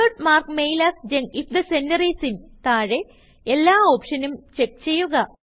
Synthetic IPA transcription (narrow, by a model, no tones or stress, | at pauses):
oʈmaːrkmejlaːsd͡ʑeŋɡifd̪ɐsendɐrisint̪aːɻe | elːaːo̞ːpʂɐnumt͡ɕe̞k̚t͡ɕe̞jːuɣɐ